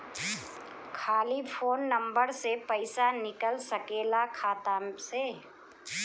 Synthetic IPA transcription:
kʰaːlipʰoːnːɐ̃mbəɾsepəɪsanɪkəlsɐkeːlakʰaːt̪amseː

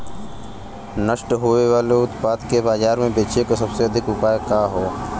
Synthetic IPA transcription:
nəʃʈɦoːeʋaːleʊt̪paːd̪kebaːzaːɾmẽbeːt͡ʃekosɐbseɐd̪ʱɪkʊpaːekaːɦoː

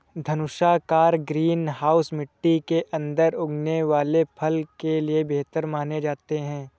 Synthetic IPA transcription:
d̪ʱɐnʊʃakaːɾɡɾiːnɦaːʊsmɪʈːikeʔɐ̃nd̪əɾʊɡneʋaːlepʰɐlkeliebeːt̪əɾmaːned͡ʒaːt̪eɦɛ̃ː

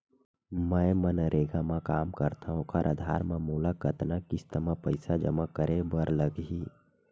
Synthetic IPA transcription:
mə̃ːmənəɾʔeːɡamãkaːmkəɾt̪ʰaɦõkʰaɾʔəd̪ʱaːɾmãmuːlakət̪nakɪst̪əmapəɪsad͡ʒə̰makəɾebəɾləɡɦiː

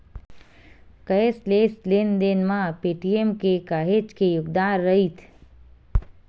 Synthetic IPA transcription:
kəesleslend̪enmãpeːʈiemkekaːɦed͡ʒkejʊɡd̪aːɾːəɦit̪ʰ

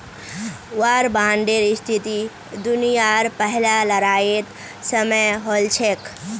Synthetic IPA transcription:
waɾbãːɳɖeɾist̪ʰit̪i | d̪unijaɾpəɦlalɐɾaːjet̪ | səməjɦolt͡ʃʰek

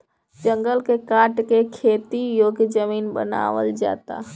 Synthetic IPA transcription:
d͡ʒəŋɡəlkekaʈkekʰet̪ijoɡd͡ʒəminbə̰na̰ʋə̰ld͡ʒa̰t̪a̰

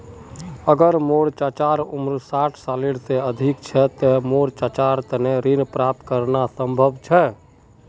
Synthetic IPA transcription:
əɡəɾmoɽt͡ʃat͡ʃaːɾumɾsaːʈʰsaliɽseəd̪ʱikt͡ʃʰɛt̪ɛmoɽt͡ʃat͡ʃaɾt̪əneɾinpɾap̚t̪kəɾnasə̃mbʱəbʱt͡ʃʰɛ

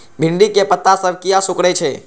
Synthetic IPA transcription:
bʱiɳɖikepət̪ːasəbʱkijasokɽɛt͡ʃʰɛ

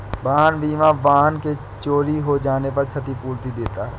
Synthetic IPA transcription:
baːɦənbʱiːmaʋaːɦənke | t͡ʃoːɾiɦod͡ʒaːnepɐɾt͡ʃʰɐt̪ipuːɾt̪id̪eːt̪aɦɛː

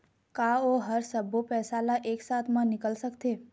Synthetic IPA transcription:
kaoɦəɾsəbʱopɛsalaʔeksat̪ʰmãnɪkəlsəkt̪e

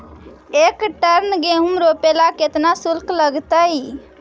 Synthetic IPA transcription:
ekʈəɾnɡeɦumɾopelaket̪nasulkləɡt̪əj

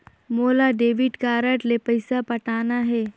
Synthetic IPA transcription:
moːlaɖeːʋɪɖkaːɾəʈlepɐɪsapɐʈaːnaɦɛː

